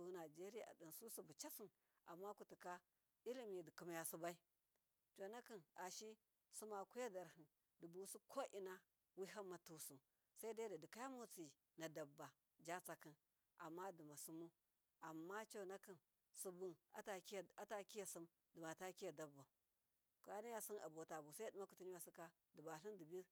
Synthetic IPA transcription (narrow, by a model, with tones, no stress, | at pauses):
u˨˦na˨d͡ʒe˦ɾi˦ja̰˨a̰˨di˨nsu˦su˦bu˨t͡ʃa˦si˨n | a̰˨mːa˦ku˨ti˨ka˦ | i˦li˦mi˨di˨ku˨m˦ja˨su˦ba˦i˦ | t͡ʃo˨na˦ki˨na˨ʃi˦ | su˦ma˨ku˦ja˦da˨ɾhi˨n | di˨bu˨˦su˦kʰo˦ʔi˨na˦ | wi˦ɦa˦mːa˨tu˨su˨m | sa˦i˦da˦da˨di˨ka˦ja˦mo˦t͡si˨ | na˨da˨bːa˨ | d͡ʒa˦t͡sa˨ki˦n | a˨mːa˦di˨ma˨su˦mu˦ | a˨mːa˦t͡ʃo˨na˦ki˦˨n | su˨bu˦na˨˦ta˨˦˨a˦ta˦ki˦ja˨si˦m | di˨ma˨ta˦ki˦ja˨da˨bːa˨ | ka˦na˦ja˦si˦na˨bo˨ta˨bu˨sa˦i˦du˦ma˦ku˨tu˦ni˦wa˨si˦ka˦ | di˨ba˨ɬi˦ndi˨bi˦